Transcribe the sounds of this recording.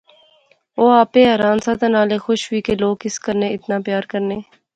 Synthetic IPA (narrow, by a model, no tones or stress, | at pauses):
oːaːpeɦəɾãːnsaːt̪ənaːleːxʊʃwiːkeloːɡɪskəɾneːɪt̪naːpjaːɾkəɾneː